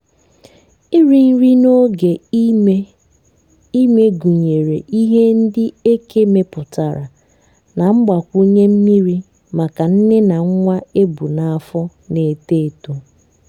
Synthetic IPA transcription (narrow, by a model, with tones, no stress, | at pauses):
i˦ɾi˨n̩˦ɾi˦no˦ɡe˨˦ | i˦me˦ɡu˨ɲe˨ɾe˨ʔi˦ɦe˦n̩˦dɪ˦e˦ke˦me˦pʊ˨ta˨ɾa˨ | na˨ŋ͡m̩˦ɡ͡ba˨kʷu˦ɲe˦m̩˦mi˦ɾi˦ | ma˨ka˨n̩˦nɪ˦na˨ŋ̩˦ŋʷa˦e˦bu˨na˨a˨fɔ˦ | ne˨te˦˨to˨